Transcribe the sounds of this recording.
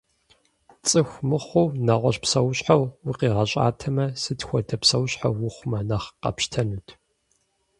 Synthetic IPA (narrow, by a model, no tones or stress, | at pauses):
t͡sʼɨxʷmɨχʷownɐʁʷɔɕpsɐwɕħawwʊqiːʁɐɕʼa̰ːtʰɐmɐsɨtxʷɔdʰɐpsɐwɕħa̰wwʊχʷʊmɐnɐχqɐ̰pʃtʰɐnutʰ